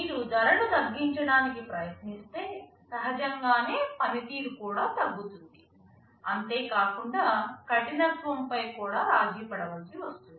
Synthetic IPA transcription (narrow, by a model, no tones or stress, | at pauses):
niːɾud͡ʒɐɾɐɽut̪ɐɡːiɲt͡ʃɐɽaːnikipɾɐjɐt̪nist̪e̞ː | sɐɦɐd͡ʒɐŋɡaːne̞ːpɐnit̪iːɾukuːɽaːt̪ɐɡːut̪und̪i | ɐnt̪e̞ːkaːkuɳɖaːkɐʈinɐsʋɐmpɐjkuːɽaːɾaːd͡ʒiːpɐɽɐʋɐlsiʋɐst̪und̪i